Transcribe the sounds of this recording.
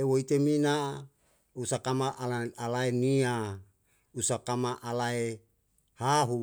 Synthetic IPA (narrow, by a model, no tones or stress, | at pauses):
ewoit̪emina | usakamaʔalaalaenia | usakamaʔalae | haɦu